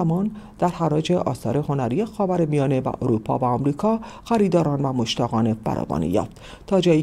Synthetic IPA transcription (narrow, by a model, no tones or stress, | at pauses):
mɒːnd̪̥æɾhæɾɒːd͡ʒe̞ʔɒ̰ːsɒ̰ːɾe̞ho̞næɾiːjexɒːvæɾemijɒːne̞væ̰ʔoɾuːpʰɒ̰ːvæɒːmɾiːkʰɒːxæɾiːd̪ɒːɾɒːnvæmoʃt̪æɣɒːnefæ̰ɾʔɒ̰ːbɒ̰ːnḭjɒ̰ːft̪ʰː | ɒːd͡ʒɒːji